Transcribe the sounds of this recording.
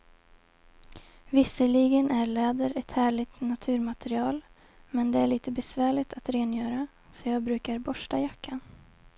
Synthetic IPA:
vɪsəɭɪɡənʔæɭɛːd̪əɾɛt̪hæːɭɪɡt̪nat̪ʰʉ̟ːɾmat̪ɛɾɪɑːl | mɛnd̪ɛæɭiːt̪əbɛsvæːɭɪt̪ʰat̪ɾeːnjœːɾa | sɔjɑːɡbɾʉ̟ːkaɾbɔʂʈajakʰːan

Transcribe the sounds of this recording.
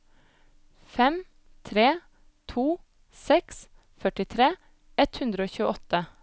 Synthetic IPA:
fɛm | t̪ʰɾeː | t̪ʰuː | sɛks | fœʈɪt̪ʰɾeː | ɛt̪hʉnd̪ɾəoːçʉːəɔt̪ə

